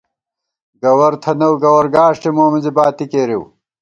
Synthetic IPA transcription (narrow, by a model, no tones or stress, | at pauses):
ɡɐwɐɾt̪ʰɐnɐwɡɐwɐɾɡaːʂʈimoːmizibaːt̪ikeːɾiw